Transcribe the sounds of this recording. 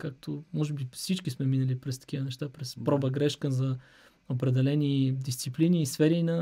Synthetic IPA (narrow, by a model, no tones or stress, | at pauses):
kak̚t̪ʰomɔʒɛbifsit͡ʃkismɛminəlipɾɛst̪ɐ̥k̟ivənɛʃt̪apɾɛspɾɔbəɡɾɛʃkəzɐ | opɾɛd̪ɛlɛnid̪ist̪sipliniːsfɛɾinɐ